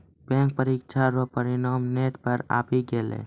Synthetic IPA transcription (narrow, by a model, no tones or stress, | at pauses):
bɛ̃ːŋk̚pəɾikʃʰaɾɔpəɾɪnaːmneːt̪pəɾa̰ːpiɡeːlḛː